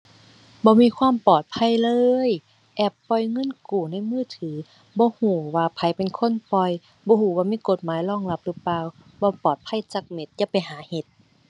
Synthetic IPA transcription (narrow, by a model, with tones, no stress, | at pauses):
bɔː˧˦miː˧˥˨kʰwaː˧˥˨mpɔː˨˩t̪̚pʰa˧˥˨jlɤː˧j | ʔɛː˧˩pːɔ˧˩jŋɤ˧˥˨nkuː˨˩na˧˥˨jmɯː˧˥˨t̪ʰɯː˨˦ | bɔː˧˦huː˧˩waː˧pʰa˨˦jpe˨nkʰo˧˥˨npɔ˧j | bɔː˧˦huː˧˩˦waː˧˨miː˧˥˨ko˧˦t̪̚maː˨˦jlɔː˧˥˨ŋla˧˦p̚lɯː˧˦paː˧˨w | bɔː˧˦pɔː˨˩t̪̚pʰa˧˥˨jt͡ɕa˧˦k̚me˧˦t̪̚t͡ɕa˧˥pa˨jɦaː˨˦he˧˦t̪̚